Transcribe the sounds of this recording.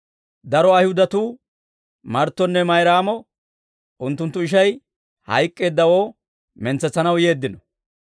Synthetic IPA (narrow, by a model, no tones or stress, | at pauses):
d̪ɐɾɔɐjhʊd̪ɐt̪uː | mɐɾt̪ːɔnːɛmɐjɾaːmɔ | ʔʊnt̪ːʊnt̪ːʊɪʃ̬ɐj | hɐ̰jkʼːe̞ːd̪ːɐwoː | mɛnt͡sːɛt͡sːɐnɐwje̞ːd̪ːɪnɔ